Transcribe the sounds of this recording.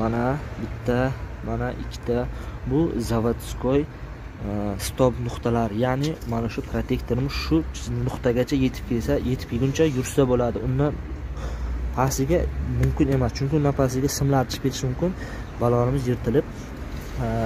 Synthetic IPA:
manabɪt̪ʰːa | manaʔɪ̰kʲʰːɪ̥t̪ʰabʊzavat̪skʰoj | st̪ʰɒbnʊqt̪ʰalaɾjanɪmanaʃʊpʰɾot̪ʰe̞kt̪ʰoɾɪmɪz̥ʃʊnʊqt̪aɡʲat͡ʃʰaje̞t̪ʰɪ̥p̚kʲʰesaje̞t̪ʰɪ̥pjɪɡʲʊnt͡ʃʰajʊɾsabolad̪ɪʊnd̪an | pʰasɪɡʲamʊmkʲɪne̞mast͡ʃʰʊŋkʲɪʊnd̪anpʰasɪɡʲasɪmlaɾt͡ʃʰɪ̥pʲkʰʲe̞ɾɪʃmʊmkʲɪn | balˠɒnɪmɪzjɪɾt̪ʰɪlɪp̚

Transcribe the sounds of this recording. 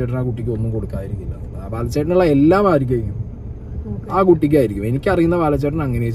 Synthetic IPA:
eːʈ̬ːɐnaːkuʈːikʲːɨo̞nːumko̞ɽukːaːjiɾikʲːilːɐn | aːpaːlɐt͡ɕːeʈɐnuɭːɐe̞lːaːmaːɾik̬ʲːaːɾikʲːum | aːkuʈːik̬ʲːaːjiɾikʲːume̞nikʲːɐrɐjːunːɐpaːlɐt͡ɕːeʈːɐnɐŋːɐneo

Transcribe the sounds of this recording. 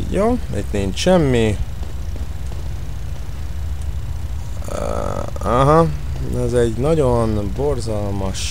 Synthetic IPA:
joːḭt̪niːɲt͡ʃʃɛmːi | aɦɑ | ɛzɛɟnɒɟo̞nborzɒlmɒʃ

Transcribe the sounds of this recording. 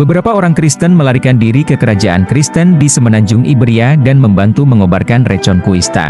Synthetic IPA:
bəbəɾapaoɾaŋkɾist̪ənməlaɾikandiɾikəkəɾad͡ʒaʔa̰nkɾist̪əndisəmənaɲd͡ʒʊŋʔibɾiadanməmbant̪uməŋobarkanrɛt͡ʃɔnkuist̪a̰

